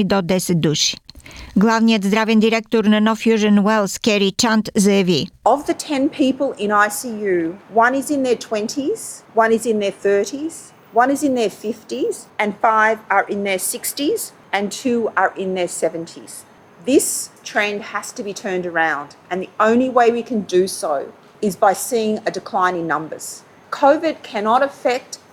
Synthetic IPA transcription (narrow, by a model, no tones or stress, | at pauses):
id̪ɔd̪ɛsɛt̪̚d̪uʃi̥ɡlˠavnijət̪zd̪ɾavɛnd̪iɾɛk̚t̪oɾnɐnɔfjuʒənwɛlˠskɛɾit͡ʃant̪zɛviəvðɨtʰɛ̃npʰipəl̩ˠɪ̃ñaɪsijʉwʌ̃nɪzɨ̃nðə˞tʰw̥ɛ̃ntʰiz̥wʌ̃nɨzɨ̃nðə˞θɜ˞ɾiz̥ | wʌ̃nɨzɨ̃nðə˞fɪftiz̥ɨ̃nfaɪvə˞ʔɪ̃nðə˞sɪkstiz̥ | ɨ̃ntʰʉə˞ʔɪ̃nðə˞sɛvɨ̃ntʰiz̥ | ðɪstʰɹ̥ɛ̃ɪ̃nd̚hɨz̥tɨbitʰɜ̃˞ndə˞ãʊ̃ndʔɨ̃nðiʔõʊ̃nliweɪwikʰɨ̃ndɨsoʊ | ɨzbaɪsiɪ̃ŋɨdɨkʰl̥ãɪ̃nɨ̃ŋnʌ̃mbə̰˞z̥ | kʰoʊvɪd̚kʰænɑɾɨfɛk̚t